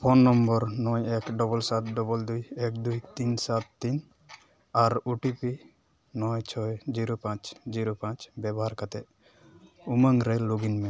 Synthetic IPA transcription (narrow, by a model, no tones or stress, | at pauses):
pʰɔnːɔmbɔɾnɔjɛkɖɔbɔlsat̪̚ɖɔbɔld̪ujɛk̚d̪ujt̪insat̪̚t̪in | aɾuʈipi | nɔjt͡ʃʰɔjd͡ʒiɾupãt͡ʃd͡ʒiɾupãt͡ʃbɛbɔɦaɾkat̪ɛʔ | uməŋɾɛluɡinmɛ